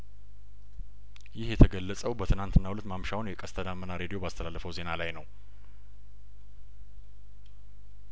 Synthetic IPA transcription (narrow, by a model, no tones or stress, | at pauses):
jɪhjɛt̪ʰəɡəlːəsʼəwbət̪ʰɨnant̪ʰɨnːawulət̪mamʃawnjɛkʼəst̪ʰəd̪amːənaɾe̞d̪ijo̞bəast̪ʰəlalːəfəwze̞nalajnəw